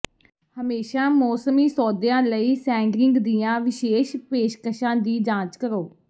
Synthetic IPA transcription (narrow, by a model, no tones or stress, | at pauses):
həmeːʃaːmɔːsəmiːsɔːd̪jãːləiːsɛ̃ːŋɡɾɪ̃ŋɡd̪ijãːʋɪʃeːʃpeːʃkəʃãːd̪iːd͡ʒãːt͡ʃkəɾoː